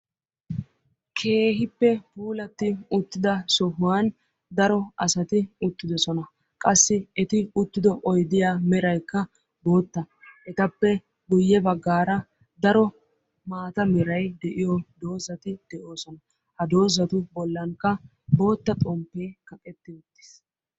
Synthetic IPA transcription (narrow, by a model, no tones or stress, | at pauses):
kʰe̞ːɦɪpːɛbuːlɐt̪ːɪʊt̪ːɪd̪ɐsɔhʊwaːn | d̪ɐɾɔʔɐsɐt̪ɪʊt̪ːɪd̪ɔsɔnɐ | kʼɐsːɪɛt̪ɪʊt̪ːɪd̪ɔʔɔjd̪ɪjaːmɛɾɐjkːɐ | bo̞ːt̪ːɐ | ʔɛt̪ɐpːɛ | ɡʊjːɛbɐɡːaːɾɐ | d̪ɐɾɔ | maːt̪ɐmɛɾɐjd̪ɛʔɪjɔd̪o̞ːzɐt̪ɪd̪̥ɛʔo̞ːsɔnɐ | hɐd̪o̞ːzɐt̪ʊbɔlːɐŋkːɐ | bo̞ːt̪ːɐt̪ʼɔmpːeːkɐkʼɛt̪ːɪʊt̪ːɪ̥s